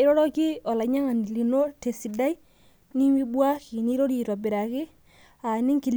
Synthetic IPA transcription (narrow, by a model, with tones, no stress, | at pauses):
ɪ˦ɾɔ˦ɾɔ˦ki˦ɔ˨la˨ɲa˦ŋa˨ni˨li˨no˦te˨si˨da˦i˦ | ni˦mi˦bwa˦ki˨ni˦ɾo˦ɾi˨twa˨bɪ˨ɾa˨kɪ˦ | a˨nɪ˦ŋki˨l